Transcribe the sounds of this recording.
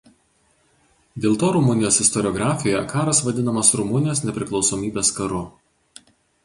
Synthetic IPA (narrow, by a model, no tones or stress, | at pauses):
d̪ʲeːlˠt̪oːɾʊmʊnʲɪjoːsɪst̪ɔɾʲɪɔɡɾɑːfʲɪjojɛ̰kɑːɾɐsʋɐd̪ʲɪnɐmɐsɾʊmʊnʲɪjoːsnʲɛpʲɾʲɪklˠɒʊsoːmʲiːbʲeːskɐɾʊ